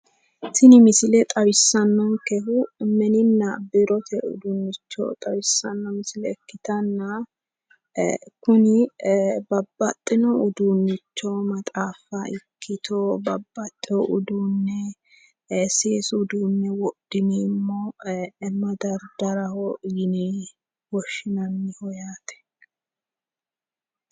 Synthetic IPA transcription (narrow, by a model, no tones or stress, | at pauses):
sɪnɪmɪsɪlɛt̪ʼɐwɪsːɐnːɔnkɛhʊmɛnɪnːɐbɪɾɔt̪ʰɛʊ̰d̪uːnːɪt͡ʃːo̰t̪ʼɐwɪsːɐnːɐmɪsɪlɛːkːɪt̪ɐnːɐ | kʊnɪbɐbːɐt̪ʼːɪnɔʊd̪unːɪt͡ʃːomɐt̪ʼaːfɐɪkʰːɪt̪ʰobɐbːɐt̪ʼːɔʊd̪uːnːɛ | seːsʊd̪uːnːɛwɔd̪̥ɪnimːɔɛmːɐd̪ɐɾd̪ɐɾɐhɔjɪni | wɔʃːɪnɐnːɪhɔjaːt̪ɛ̥